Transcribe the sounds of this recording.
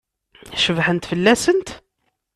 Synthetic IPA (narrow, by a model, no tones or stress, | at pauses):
ʃəvħənt̪fəlːæsənt̪